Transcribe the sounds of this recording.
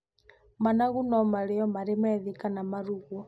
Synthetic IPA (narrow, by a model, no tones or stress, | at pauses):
manaɣunɔmaɾeɔmaɾemɛðikanamaɾuɣɔ